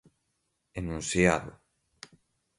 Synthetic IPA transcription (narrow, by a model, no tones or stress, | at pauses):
enũnsja̰ðʊ̰